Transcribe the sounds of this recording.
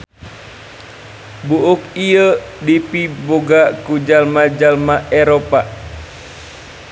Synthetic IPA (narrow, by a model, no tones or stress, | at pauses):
buʔuk̚iə | dipiboɡakud͡ʒalmad͡ʒalmaɛɾopa